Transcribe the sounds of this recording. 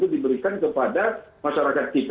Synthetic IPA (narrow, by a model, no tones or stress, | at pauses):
t̪udibəɾikankəpadamaʃaɾakat̪̚kit̪